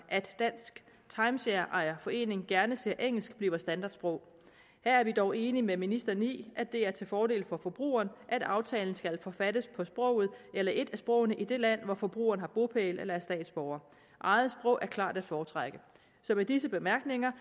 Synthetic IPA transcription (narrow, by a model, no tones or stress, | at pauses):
ʔæd̥ːæn̰sɡ̥ | t͡sʰɑ̈ɪmɕeɐʔɑ̈ɪɐfɒ̽e̝̰ːne̝ŋɡ̥æɐnəse̝ɐ̰ʔeŋ̰l̩sɡ̥b̥liːʊɐsd̥ænd̥ɑ̈ːd̥sb̥ʁɔʊ̰ | hæɐæɐʋid̥ɒʊe̝ːnimeminisd̥ɐnḭːʔæd̥ːe̝æɐt͡sʰe̝fɒːde̝̰ːlfɒ̽fɒ̽b̥ʁṵːɐːnʔæd̥ɑ̈ʊt͡sʰɛ̰ːln̩sɡ̥ælfɒ̽fæd̥əspʰɒ̽sb̥ʁɔ̽ʊ̰ð̩ˠelɐʔe̝d̥æsb̥ʁɔ̽ʊnəʔid̥e̝læn̰ʋɒfɒ̽b̥ʁṵːɐːn̩hɑ̈b̥o̝pʰelelɐæɐsd̥ɛ̰ːd̥sb̥ɒʊɐ | ʔɑ̈ɪð̩ˠsb̥ʁɔ̽ʊʔæɐkʰlɑ̈ːd̥æd̥fɒːt͡sʰʁɑɡ̥ə | sɒ̽med̥isəb̥e̝mæɐɡ̥ne̝ŋɐ